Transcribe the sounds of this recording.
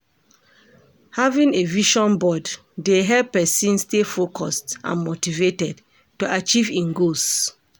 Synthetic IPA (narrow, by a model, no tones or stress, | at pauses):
havĩŋeviʃɔ̃nbɔdː | eɦɛppːɛsĩnstefokʰɔstã̰nmotivetɛd | tuat͡ʃivĩnɡos